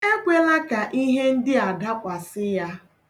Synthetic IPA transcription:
e˦kʷe˦la˦ka˨ʔi˦ɦe˦n̩˦dɪ˦a˨da˦kʷa˨sɪ˦ja˦

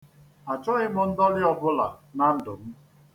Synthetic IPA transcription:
a˨t͡ʃɔ˦ɣɪ˦mʊ˦n̩˦dɔ˦lɪ˦ɔ˨bʊ˦la̰˨na˨n̩˦dʊ˨m̩˦

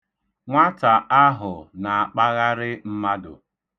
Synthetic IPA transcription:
ŋʷa˦ta˨ʔa˦ɦʊ˨na˨a˨k͡pa˦ɣa˦ɾɪ˦m̩˦ma˦dʊ̰˨

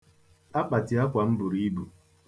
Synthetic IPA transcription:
a˦k͡pa˨tɪ˨˦a˦kʷa˨m̩˦bʊ˨ɾi˦i˦bu˨

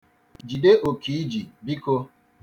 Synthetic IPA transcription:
d͡ʒi˨de˦ʔo˨ki˨˦d͡ʒi˨bi˦ko˦

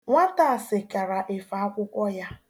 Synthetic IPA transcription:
ŋʷa˦ta˨a˨sɪ˨ka˨ɾa˨ʔe˨fa˨a˦kʷʊ˦kʷɔ˦ja˦

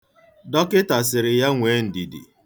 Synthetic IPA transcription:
dɔ˦kɪ˦ta˨s̬ɪ˨ɾɪ˨ja˦ŋʷe˨˦n̩˨di˨dḭ˨

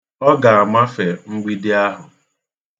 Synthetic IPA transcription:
ɔ˦ɡa˨a˨ma˦fe˨ŋ͡m̩˦ɡ͡bi˦dɪ˦a˦ɦʊ˨

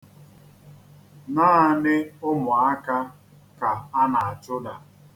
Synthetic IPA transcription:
naː˦˨nɪ˦ʊ˦mʊ˨a˦ka˦ | ka˨a˦na˨a˨t͡ʃʊ˦da˨

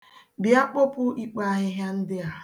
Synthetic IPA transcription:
bɪ˨˦a˦k͡po˦pʊ˦ʔi˦k͡pa˦a˦ɦɪ˦ɦja˦n̩˦dɪ˦a˨

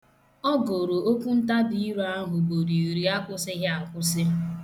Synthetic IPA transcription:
ɔ˦ɡo˨ɾo˨o˦kʷu˦n̩˦ta˦bi˦i˦ɾu˨˦a˦ɦʊ˨bo˨ɾi˨ɾi˦a˦kʷʊ˦sɪ˦ɦɪ˦a˨kʷʊ˦s̬ɪ˦

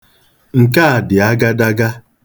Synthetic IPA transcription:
ŋ̩˨ka˦a˨dɪ˨a˦ɡa˦da˦ɡa˦

